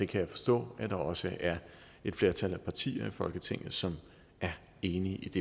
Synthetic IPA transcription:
d̥e̝kʰæjɑ̈ɪfɒ̥̽sd̥ɔ̰̽ːæd̥ɑ̈ɒ̽səʔæɐ | e̝d̥fle̝ɐt͡sʰælæpʰɑ̈t͡sʰḭːɐifɒ̽lɡ̥ət͡sʰeŋ̰ð̩ˠsɒ̽m | ʔæɐ | e̝ːniʔid̥e̝

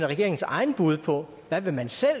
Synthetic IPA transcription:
nɐʁɛɡ̥e̝ɐeŋn̩sɑ̈ɪn̩b̥uð̞ˠpʰɒ̽ | ʋæʋe̝mænsel̰

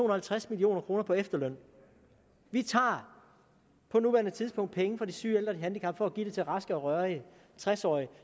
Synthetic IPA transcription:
o̝ːnɐhælt͡sʰʁasmilio̝̰ːnɐkʰʁo̝ːnɐpʰɒ̽efd̥ɐlœn̰ | ʋit͡sʰɑ̰̈ː | pʰɒ̽nuʋæːɐnət͡sʰið̞ˠspʰɔ̽ŋ̰d̥̚pʰeŋəfɒd̥isyːeld̥ʁɐiɦænd̥ikʰɑ̈mb̥fɒ̽ːɡ̥ḭd̥et͡sʰe̝lʁɑ̈sɡ̥əɒ̽ʁɶɐi | t͡sʰʁasɒ̰ːi

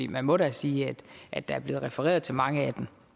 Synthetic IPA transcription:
ḭːmænmɒ̽ɾæsiːæd̥ʔæd̥ːɑ̈æɐb̥le̝ːð̩ˠʁɛfəʁɛ̰ːɐð̞ˠt͡sʰe̝lmɑ̈ŋəæd̥em

